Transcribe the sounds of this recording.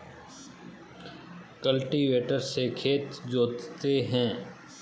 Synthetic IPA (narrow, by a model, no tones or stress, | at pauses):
kəlʈiʋeːʈəɾsekʰeːt̪d͡ʒoːt̪t̪eɦɛ̃ː